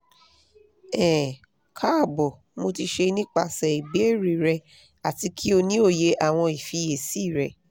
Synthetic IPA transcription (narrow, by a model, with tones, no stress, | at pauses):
ɛ˨ | kʰa˦˨bɔ˨ | mo˧ti˧ʃe˧nĩ˦k͡pa˧sɛ˨i˨be˨˦e˦˨ɾi˨ɾɛ˧ | a˨ti˧kʰi˦o˧nĩ˦o˦˨je˧˦ʔa˦˨w̃ɔ̃˧i˨fi˧˦je˨si˦˨ɾɛ˨